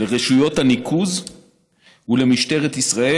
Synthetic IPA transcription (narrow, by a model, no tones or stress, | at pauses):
leʁeʃujo̞t̪hanikʰuz | ule̞miʃt̪e̞ʁet̪isʁae